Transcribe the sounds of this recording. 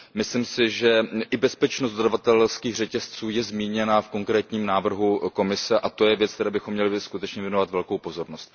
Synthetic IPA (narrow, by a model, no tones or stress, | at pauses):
mɪslɪmsɪʒɛʔɪbɛspɛt͡ʃnost̪d̪odavat̪ɛlskiːxr̝ɛcɛst͡suːjɛzmiːɲɛnafko̞ŋkɾɛːt̪ɲiːmnaːvr̩ɦuko̞mɪsɛʔat̪o̞jɛvjɛt͡sk̚t̪ɛɾaːbɪxo̞mːɲɛlɪskut̪ɛt͡ʃɲɛvjɛnovat̪vɛlko̞wpo̞zo̞ɾno̞st̪